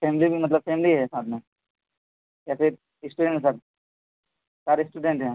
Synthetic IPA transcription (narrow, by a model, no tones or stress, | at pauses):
pʰemlibʱimɐt̪ləb̚femliɦɛsaːt̪ʰmẽ | kɛse | ɪsʈuːɖẽɳʈesaːt̪̚ | t͡ʃaːɾɪsʈuɖẽɳʈɦɛ